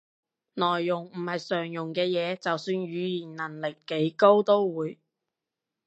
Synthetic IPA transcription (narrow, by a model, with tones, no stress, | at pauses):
nɔː˨˩jːʊ˨˩ŋm̩˨˩hɐ˨jsœː˨˩ŋjʊ˨˩ŋkɛː˧jɛː˨˧t͡sɐ˨wsyː˧nɥyː˨˧jiː˨˩nnɐ˨˩nlɪ˨kːe˨˥jko˥wt̪o˥wwuː˨˧j